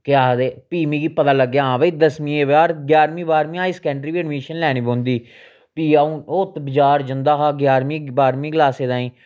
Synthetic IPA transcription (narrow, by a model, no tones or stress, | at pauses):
kɪaːd̪eːpiːmĩːɡiːpət̪aːləɡːjaãːʋd̪əsmĩːeːʋaːɾɡjaːɾmĩːbaːɾmĩːaːiːsə̥kɛ̃ːɳʈɾiːʋiːənmeːʃənlɛːɽ̃iːbõːnd̪iː | piːaũːoːt̪bɪd͡ʒaːɾd͡ʒənd̪aːɦaːɡjaːɾmĩːbaːɾmĩːɡlaːseːd̪aːĩː